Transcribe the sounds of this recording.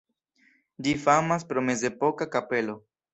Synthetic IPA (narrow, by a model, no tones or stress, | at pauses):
d͡ʒifamaspɾo̞me̞ze̞po̞kakape̞lo̞